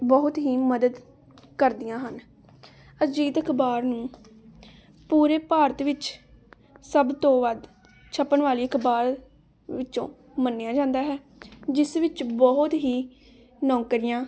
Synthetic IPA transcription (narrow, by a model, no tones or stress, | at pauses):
bəɦʊt̪ɦiːməd̪əd̪ | kəɾd̪ɪjãːɦən | əd͡ʒiːt̪əkʰbaːɾnũː | puːɾeːpaːɾət̪ʋɪt͡ʃ | səbt̪õːʋəd̪ | t͡ʃʰəpːənʋaːliːəkʰbaːɾ | ʋɪtːt͡ʃõː | mənːejãːd͡ʒãːnd̪aːɦɛː | d͡ʒɪsʋɪt͡ʃbɔʊt̪ɦiː | nɔ̃ːŋkəɾɪjãː